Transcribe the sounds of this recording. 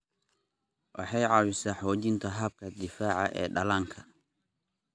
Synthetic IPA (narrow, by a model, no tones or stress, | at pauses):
wʔɑ̰ħɑjʕɑːwɪsaħɔːd͡ʒɪnt̪ʰɐɦɐb̚kʰɐd̪ɪfaːʕɑ̰ʔɛ̰ːɗɐlaːŋkʰɐ